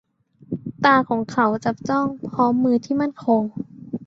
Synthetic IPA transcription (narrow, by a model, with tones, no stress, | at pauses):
t̪aː˧kʰɔː˩˦ŋkʰa˩˦wt͡ɕa˨˩p̚t͡ɕɔ˥˩ŋpʰɔː˦˥mːɯː˧t̪ʰiː˥˩ma˥˩˨nkʰoː˧ŋ